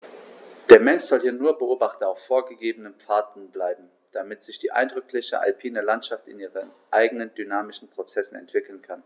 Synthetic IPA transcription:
d̥eːɐmɛnsz̥ɔlhiːɐnuːɐbəʔoːbaχtn̩aʊfːoːɐɡəɡeːbənənpp͡faɐtn̩blaɪbm̩ | d̥amɪtz̥ɪçd̥iːʔa̰ɪndʁʏkʰlɪçə̰ʔa̰lpʰiːnəlantʃaftɪniːʁənʔaɪɡənəndynaːmɪʃn̩pʁ̥ot͡sɛsn̩ɛ̰ntv̥ɪkl̩nkʰan

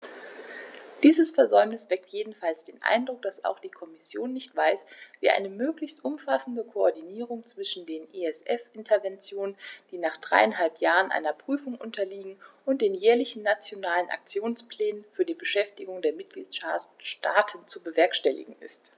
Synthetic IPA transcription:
d̥iːzəsfɛɐzɔʏmnɪsv̥ɛk̚tʰjeːdn̩falsd̥eːnʔa̰ɪndʁʊk̚d̥asa̰ʊxd̥iːkʰɔmɪsjoːnːɪçtv̥aɪsvḭːʔa̰ɪnəmøːklɪçstʔʊmfasn̩dəkʰoɔɐdiniːʁ̞ʊŋt͡sv̥ɪʃn̩deːnʔeɛsʔɛfʔɪntʰɐvɛnt͡sjoːnənnd̥iːnaːχd̥ʁa̰ɪanɦalpjaːʁənʔa̰ɪnɐpʁ̥yːfʊŋʔʊntʰɐliːɡŋ̩ʔʊnt̚d̥eːnjɛːɐlɪçn̩ːat͡sjonaːlənʔa̰k̚t͡sjoːnsplɛːnənfyːɐdiːbəʃɛftɪɡʊŋdeːɐmɪt̚ɡ̥liːtaʃtaːtʰən̩t͡subəvɛɐkʃtɛlɪ̰ɡŋ̩ɪ̰st

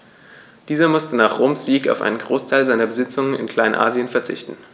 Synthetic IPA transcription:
d̥iːzɐmʊstənaːχʁ̥oːmsz̥iːka̰ʊfʔa̰ɪnənɡʁoːstʰaɪlzaɪnɐbəzɪt͡sʊŋənɪ̰nkʰl̥aɪnʔa̰ːzjənfɛɐt͡sɪ̰çtn̩

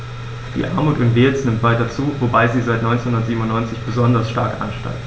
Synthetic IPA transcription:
d̥ḭːʔaɐmuːtʊntv̥eːsnɪmtv̥aɪtɐt͡suːvobaɪziːzaɪtnɔʏnt͡senhʊndɐtziːbm̩ʊnːɔʏnt͡sɪçb̥əzɔndɐsʃtaɐkʔa̰nʃta̰ɪk̚

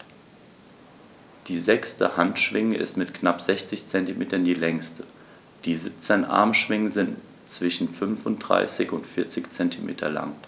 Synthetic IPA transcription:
d̥iːzɛkstə̰hantʃv̥ɪŋəʔɪ̰stmɪtknapz̥ɛçt͡sɪçt͡sɛntimeːtɐndiːlɛŋstʰə | d̥iːzɪp̚t͡sɛnʔa̰ɐmʃv̥ɪŋəzɪnt | t͡sv̥ɪʃn̩fʏnfʊnt̚d̥ʁa̰ɪsɪçʊntfɪɐt͡sɪçt͡sɛntimʔḛːtʰɐ̰la̰ŋ

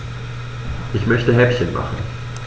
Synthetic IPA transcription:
ʔɪçmœçtəɦɛpçənmʔa̰χn̩

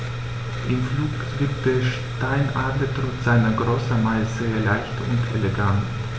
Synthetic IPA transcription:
ʔɪmfluːkv̥ɪɐk̚t̚d̥eːɐʃ | taɪnʔa̰ɐdlətʁ̥ɔːtz̥aɪnɐɡʁoːsɐmaɪz̥eːɐlaɪçtʊ̰ntʰeleɡant

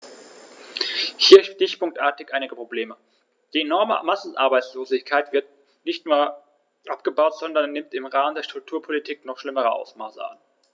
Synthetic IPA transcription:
hiːɐʃtɪçpʊŋktʔaːɐtɪçʔaɪnɪɡəpʁ̥obleːmə | d̥iːenɔɐmə̰masn̩ʔa̰ɐbaɪt͡sloːzɪçkʰaɪtv̥ɪɐt̚ | nɪçtnuːɐ | ʔapɡ̥əbaʊtz̥ɔndɐnːɪmtɪmʁaːməndeːɐʃtʁ̥ʊk̚tʰuːɐpʰolitʰiːknɔχʃlɪməʁ̞əʔa̰ʊsmaːsəʔa̰n

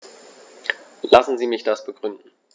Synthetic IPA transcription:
lasn̩ziːmɪçd̥asb̥əɡʁʏndn̩

